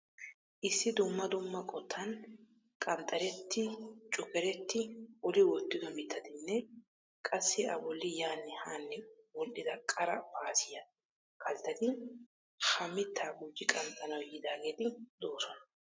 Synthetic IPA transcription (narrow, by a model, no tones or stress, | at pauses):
ʔɪsːɪd̪ʊmːɐd̪ʊmːɐkʼɔt̪ʰːɐn | kʼɐnt̪ʼːɐɾɛt̪ʰːɪt͡ʃʼʊkɛɾɛt̪ːɪɔlɪwɔt̪ːɪd̪ɔmɪt̪ːɐd̪ɪnːɛ | kʼɐsːɪɐ̰bɔlːɪjaːnːɛhaːnːɛwɔlʔɪd̪ɐkʼɐɾɐpaːsɪjɐ | kʰɐlt̪ːɐd̪ɪ | hɐmɪt̪ʰːaːɡʊd͡ʒːɪkʼɐnt̪ʼːɐnɐwjɪd̪aːɡeːt̪ɪd̪o̞ːsɔnɐ